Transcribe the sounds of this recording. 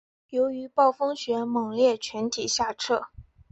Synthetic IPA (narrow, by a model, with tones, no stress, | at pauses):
jo˧˥ʊy˧˥pɑ˥˩ʊfɤ˥ŋɕɥɛ˧˥mɤ˨˩ŋljɛ˥˩t͡ɕʰɥɛ˧˥nt̪ʰi˨˩ɕja˥˧ʈ͡ʂʰɤ˥˩